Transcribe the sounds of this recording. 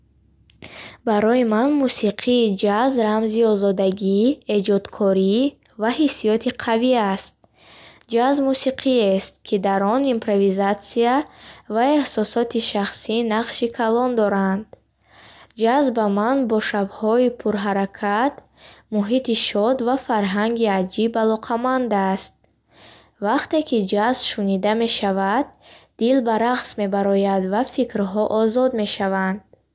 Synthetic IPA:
baɾɔjimanmusiqʰiːd͡ʒazɾamziɔzɔd̪aɡie̞d͡ʒɔd̪kʰɔɾi | vahisːijɔt̪ʰiqʰaviast̪̚ | d͡ʒazmusiqʰiest̪̚kʰid̪aɾɔnimpɾovizat̪siavaehsɔsɔt̪ʰiʃaχsinaqʃikʰalɔnd̪ɔɾand̪ | d͡ʒazbamanbɔʃabhɔipʰuɾɦaɾakʰat̪ | muɦit̪iʃɔd̪vafaɾɦaŋɡiad͡ʒibalɔqʰamand̪ast̪̚ | vaqt̪e̞kʰid͡ʒazbʃunid̪ame̞ʃavad̪̚ː | ilbaɾaqsme̞baɾɔjad̪vafikɾɦɔʔɔzɔd̪me̞ʃavand̪̥̚

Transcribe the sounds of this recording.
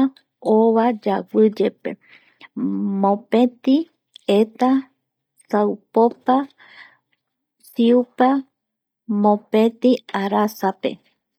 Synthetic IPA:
oβad͡ʒawɨd͡ʒepḛ | mõpet̪i | et̪a | sawpopa | siupa | mõpẽt̪iaɾasapḛ

